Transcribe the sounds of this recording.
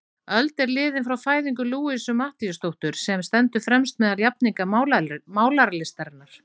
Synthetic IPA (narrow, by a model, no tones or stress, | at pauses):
œlt̪ɛɾlɪːðɪnfɾawfaːjðiŋkʏluːɪsʏmaht̪ijʏst̪owht̪ʏɾ̥sɛmst̪ɛnt̪ʏfɾɛmst̪mɛðaljapniŋkamaːwlaɾalɪst̪aɾnaɾ̥